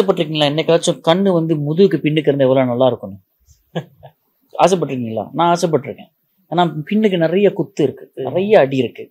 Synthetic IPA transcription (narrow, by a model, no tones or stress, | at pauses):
aːsɐpːɐʈːɪɾɯkːɪŋɡɐlaːɛnːɐkːɐɭɐt͡ʃːʊ̃kɐɳːɯʋɐnd̪ɯmʊðɯɯkːɯpɪɳːɯk̬ːɯɾɯnd̪ɯɛʋːɐloːnɐlːaːɪɾɯkːɯnːʊ̃ | a̰ːs̬ɛp̬ːɐʈːɪɾɯkːɪ̃ŋɡɐla̰ːnãːsɛp̬ːɐʈːɪɾɯkːḛ̃ː | aːnaːpɪɳːɯkːɯnɪɾɐjɐkʊt̪ːɯɪɾɯkːɯnɪ̰ɾɐjɐːɽiɪɾɯkːɯ